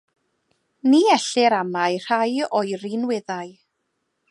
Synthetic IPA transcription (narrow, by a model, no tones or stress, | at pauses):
niːɛɬɪɾamajr̥ajɔjrinwɪðaj